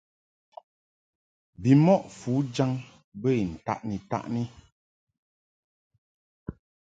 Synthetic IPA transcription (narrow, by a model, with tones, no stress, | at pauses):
bi˨mɔ˦ʔfu˨˦d͡ʒa˦ŋ | bə˦˨i˨n̩˨ta̰˦˨ʔni˨ta̰˦ʔni˦